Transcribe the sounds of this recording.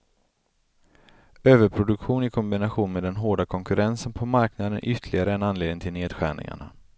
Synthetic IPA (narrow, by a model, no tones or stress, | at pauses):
øːvəɾpʰɾʊd̪ɵkɧuːnɪkʰɔmbɪnaɧuːnmeːd̪ɛnɦoːɖakʰɔŋkɵɾɛnsənpʰɔmaɾknad̪ə̰nʔʏt̪ʰːlɪɡaɾəɛnanleːd̪ɪŋt̪ɪlneːd̪ɧæ̰ːɳɪ̰ŋa̰ɳa̰